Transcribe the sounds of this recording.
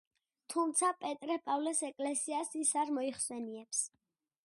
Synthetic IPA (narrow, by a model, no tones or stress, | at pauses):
t̪ʰumt̪sʰapʼɛt̪ʼɾɛpʼavlɛsɛkʼlɛsiasisaɾmɔiχsɛniɛps